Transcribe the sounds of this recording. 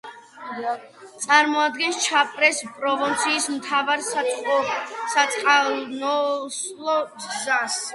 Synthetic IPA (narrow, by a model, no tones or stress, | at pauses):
t̪sʼaɾmɔad̪̚ɡɛnst͡ʃʰapʼɾɛspʼɾɔvɔnt̪sʰiːsmt̪ʰavaɾsaɔsat̪sʼqʼanɔs | lˠɔɡzas